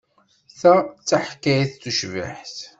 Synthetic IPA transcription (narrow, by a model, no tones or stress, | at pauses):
θæt͡sːaħkːæjiθθuʃvḭħθ